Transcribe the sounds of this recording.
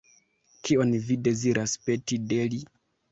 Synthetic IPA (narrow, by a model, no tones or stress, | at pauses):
kio̞nvide̞ziɾʔaspe̞tide̞li